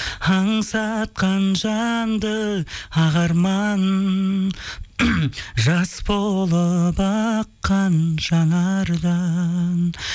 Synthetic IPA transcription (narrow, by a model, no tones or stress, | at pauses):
ɑɴsɑt̪̚qɑnʒɑnd̪əɑʁɑɾmɑn | ʒɑsbolˠəbɑqːɑnʒɑnɑɾd̪ɑn